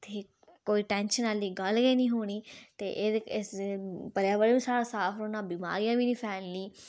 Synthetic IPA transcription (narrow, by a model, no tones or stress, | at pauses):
t̪ʰeː | koːiːʈɛ̃ːnʃənaliːɡəlɡeːnĩːɦoːɽ̃iːt̪ḛːʔeːɪspəɾjãːʋəɽĩːsaːɾaːsaːfʰɾoːnãːbima̰ːɾijãːʋiːniːpʰɛːnliː